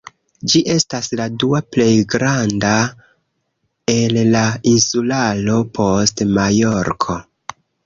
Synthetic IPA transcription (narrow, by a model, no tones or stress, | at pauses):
d͡ʒiʔe̞stasladuaple̞jɡɾanda | e̞llainsulalo̞pʰo̞stmajoɾkʰo̞